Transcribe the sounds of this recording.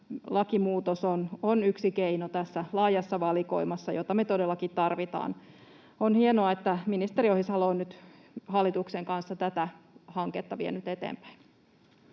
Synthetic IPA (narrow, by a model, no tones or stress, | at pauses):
lɑkimuːt̪osononyksikeinot̪æsːælɑːjɑsːɑʋɑliko̰imɑsːɑjot̪ɑmet̪odelːɑkit̪t̪ːɑrʋit̪ɑ̰ːn | onhienoɑet̪ːæminist̪eɾiohisɑloːnnyt̪ | hɑlːit̪ukseŋkɑnsːɑt̪æt̪æhɑŋket̪ːɑʋiḛnyt̪et̪ḛːmpæ̥in